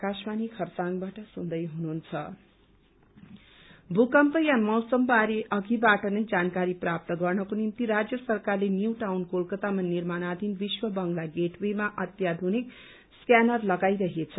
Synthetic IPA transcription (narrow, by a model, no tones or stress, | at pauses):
kasmanikʰʌrt͡saŋbaʈʌsund̪ʌjɦununt͡sʰʌ | bʱukʌmpʌjamʌwsʌmbaɾeʔʌɡibaʈʌnʌjd͡zankaɾiprap̚t̪ʌɡʌrnʌkonimt̪iɾad͡zjʌsʌrkarlenjuwʈawnkolkʌt̪amanirmanad̪ʱinbiswʌbʌŋɡlaɡeʈwemaʔʌt̪jad̪ʱonik | skjanʌrlʌɡajɾʌɦet͡sʰʌ